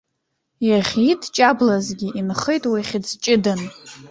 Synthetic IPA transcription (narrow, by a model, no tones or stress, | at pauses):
jaχʲitʰʼt͡ʃʼablazɡʲiʔinχejtʼwiχʲɪd͡zt͡ʃʼɪdan